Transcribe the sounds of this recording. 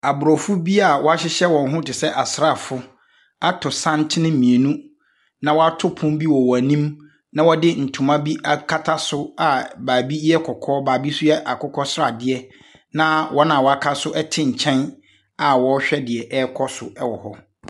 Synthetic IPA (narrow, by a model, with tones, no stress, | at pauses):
a˨bʊ˨ɾɔ˨fʊ˦bi˦a˨wɔ˦a˦ɕɪ˦ɕɛ˦wɔ̃˨nɦʊ̃˦tɪ˨sɛ˦ʔa˨sɾa˦˨fʊ˦ | a˦tʰʊ˨sã˦n˦tʰɪ˦nɪ̃˦mĩ˨e˨nũ˦ | nã˨wɔ˦a˦tʰʊ˦pʰʊ̃˦mbi˦wɔ˨wɔ˨æ˨nĩ˦m | nã˦wɔ˦dɪ˦n̩˨tʰũ˨mã˦bi˦a˨kʰa˦tʰa˦sʊ˦a˨baː˨bi˦jɛ˦kʰɔ˨kʰɔː˦baː˨bi˦sʊ˦jɛ˦ʔa˨kʰʊ˦kʰɔ˦sɾa˦˨dɪ˦ɛ˦ | nã˦wʔɔ˦nã˨wɔ˨a˦kʰa˦sʊ˦ʔɛ˦tʰɪ˦ɲ̩˨t͡ɕʰɛ̃˦n | a˨wɔ˨˦ɕᶣɛ˦dɪ˨ɛ˨ʔɛ˦kʰɔ˦sʊ˨ɛ˦wɔ˨hɔ˦